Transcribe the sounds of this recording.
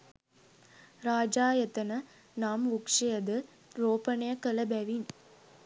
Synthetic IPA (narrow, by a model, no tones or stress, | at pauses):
ɾaːd͡ʒaːjɐt̪ɐnɐ | naːmʋʊkʂɐjɐd̪ɯ | ɾoːpɐnejɐkɐlɐbɐʋin